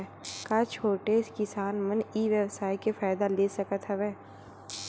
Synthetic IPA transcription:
kaːt͡ʃʰoːʈeskɪsaːnməniːʋjəwsaːikefaːɪd̪aleːsɐkət̪ɦɛʋeː

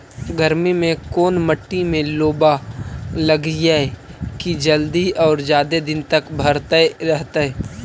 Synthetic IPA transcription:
ɡəɾmimẽkoːnməʈːimẽloːbalɐɡjaɛkid͡ʒəld̪iɔːɾd͡ʒjaːd̪ed̪ɪnt̪ɐkbʱɐɾt̪əeɾɛɦt̪aɛː

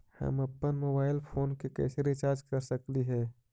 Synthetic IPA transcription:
hə̰məpːənmoːbaːɪlpʰoːnkekɛ̰ːsɾit͡ʃaːɾd͡ʒkəɾsəkliɦɛː

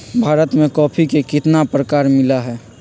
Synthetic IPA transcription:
bʱaːɾət̪mẽkɔːpʰikekɪt̪napɾəkaːɾmɪlaɦɛː

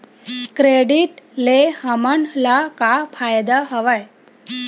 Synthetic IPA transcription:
kɾeɖiʈlehəməɳlakapʰajd̪aɦəʋəj

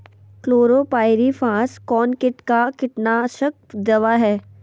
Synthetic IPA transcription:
kloːɾopaːɪɾifãːskɔːnkɪʈkakɪʈnaʃək̚d̪ɐʋaɦɛː

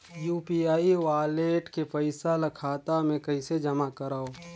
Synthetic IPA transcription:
juːpiaːiʋaːleːʈkepəɪsalɐkʰaːt̪amẽkɐɪsed͡ʒɐmakəɾaːoː

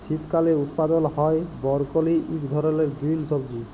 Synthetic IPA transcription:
ʃit̪kaleut̪pad̪ɔlhɔjbɔɾkoliʔikd̪ʱɔɾɔleɾɡɾilsɔbd͡ʒi

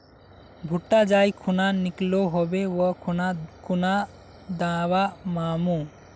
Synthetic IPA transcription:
bʱuʈːad͡ʒajkʰunanikloɦɔbɛwɔkʰnakuna | d̪awamamu

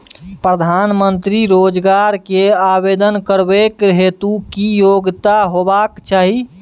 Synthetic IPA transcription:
pɾəd̪ʱanmənt̪ɾiɾod͡ʒɡaɾkeabed̪ənkəɾbekɦet̪ukijoɡt̪aɦobakt͡ʃaːɦi

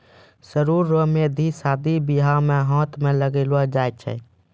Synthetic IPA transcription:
səɾuɾːomed̪ʱisad̪ʱibiɦameɦɔ̃t̪meləɡeləd͡ʒajt͡ʃʰɛ̰

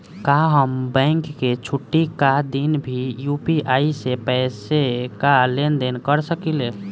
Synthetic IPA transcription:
kaɦəmbɛ̃ɪŋkːet͡ʃʰuʈːikad̪inbʱijupiaːisepɛsekalend̪enkəɾsəkile

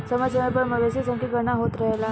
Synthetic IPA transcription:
səmat͡ɕəməpəɳməʋesisə̃ŋkiːɡəñaɦot̪ɾəɦla

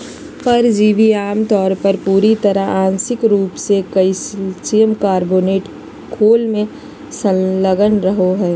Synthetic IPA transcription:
pɐɾd͡ʒiːʋiaːmt̪ɔːɾpəɾpuːɾit̪ɐɾəãːnsɪkɾuːpsekɐissijəmkaːɾboːneːʈ | kʰoːlmẽ | sə̃ləɡənɾəɦoɦɛː

